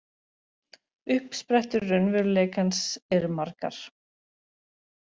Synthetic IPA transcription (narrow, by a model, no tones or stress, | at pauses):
ʏhpspɾɛht̪ʏɾːʏnvɪleːjkansɛɾmaɾka̰ɾ̥